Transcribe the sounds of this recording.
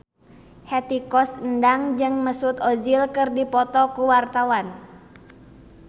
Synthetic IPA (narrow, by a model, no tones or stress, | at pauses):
hɛt̪ikɔsəndaŋd͡ʒɨŋməsut̪ɔd͡ʒilkɨrdipɔt̪ɔkuwart̪awan